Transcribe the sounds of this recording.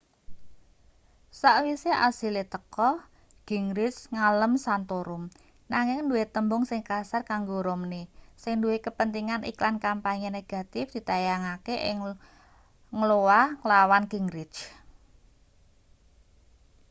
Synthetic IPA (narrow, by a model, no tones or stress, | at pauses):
saʔwiseʔasilet̪əkɔ | ɡ̥i̤ŋɾɪt͡ʃŋaləmsant̪oɾʊm | naŋɪŋnduwet̪əmbʊŋsɪŋkasarkaŋɡoɾomnesɪŋnduwekəpənt̪iŋanʔḭklankampaɲeneɡ̥a̤t̪ɪfd̪̥i̤t̪ajaŋakeʔɪ̰ŋ | ŋəlowalawanɡ̥iŋɾɪ̥t͡ʃ